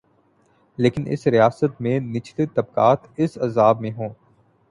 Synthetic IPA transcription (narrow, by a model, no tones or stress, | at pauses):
leːkɪnʔɪ̰sɾijaːsət̪mẽnɪt͡ʃʰt̪et̪ɐbkaːt̪ɪsɐzaːbmẽɦõː